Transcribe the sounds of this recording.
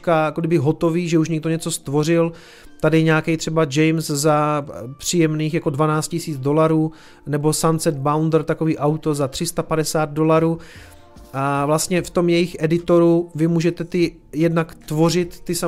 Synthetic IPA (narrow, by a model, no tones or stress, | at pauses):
kajakoɡdɪbɪɦo̞t̪o̞viːʒɛuʃɲɪɡ̚do̞ɲɛt͡so̞st̪vo̞r̝ɪl | t̪adɪɲaːkɛjt̪r̥ɛbad͡ʒɛjmszapr̥ijɛmniːxjako̞dvanaːt͡st̪cɪsiːt͡sdo̞laɾuː | nɛbo̞sansɛd̪̚bawnd̪r̩t̪akoviːʔawt̪o̞zat̪r̥ɪst̪apadɛsaːd̪̚do̞laɾuː | ʔavlast̪ɲɛft̪o̞mjɛjɪxʔɛdɪt̪o̞ɾuvɪmuːʒɛt̪ɛt̪ɪ | jɛdnakt̪vo̞r̝ɪt̪ːɪsa